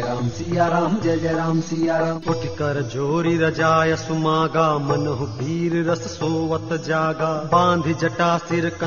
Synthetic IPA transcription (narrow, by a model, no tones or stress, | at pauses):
ɾaːmsijaːɾaːmd͡ʒɐd͡ʒɐɾaːmsijaːɾaːuʈikɐɾɐd͡ʒoːɾiɾɐd͡ʒaːjɐsumaːɡaːmɐnɐɦubʱiːɾɾɐssoːʋɐt̪d͡ʒaːɡaːbãːnd̪ʱid͡ʒɐʈaːsiɾkɐ